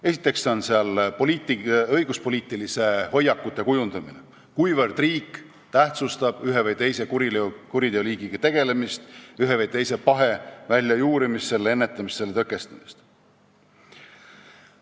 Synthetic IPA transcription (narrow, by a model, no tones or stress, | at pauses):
e̞si̥t̪ːˑe̞kseo̞nseɑlpoliːt̪iɤjɡ̥uspo̞lʲiːt̪ːˑilise̞ho̞jːɑkːˑut̪ːˑe̞kujund̪̥ɑmine | kujvɤrd̪̥riːkː | t̪æht̪sust̪ɑb̥yɦevɤjt̪e̞jse̞kuikuɾid̪eoliːɡ̥iɡ̥ɑt̪e̞ɡ̥e̞le̞mist̪yɦevejt̪e̞jse̞pɑɦe̞vælʲːjɑjuːɾimisːe̞le̞nːet̪ːˑɑmisːelt̪ɤkːˑe̞st̪ɑmist̪